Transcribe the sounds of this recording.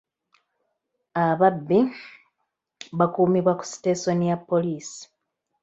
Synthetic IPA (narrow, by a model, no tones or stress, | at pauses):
aβabːi | βakuːmiβwaku̥si̥teso̞nijapːo̞liːsi̥